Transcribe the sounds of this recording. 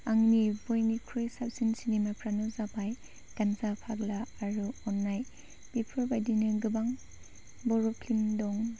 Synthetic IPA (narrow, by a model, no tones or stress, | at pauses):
aŋnibojnikʰɾojsap̚sinsinimapʰɾanɔzapʰaj | kanzapʰaɡlaːɾuɔnːaj | pipʰɯɾbajdinɯɡɯbaŋ | bɔɾɔpʰlimdɔŋ